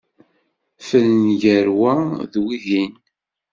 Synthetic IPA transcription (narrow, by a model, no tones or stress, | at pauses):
fəlnʝəɾwæðwiðin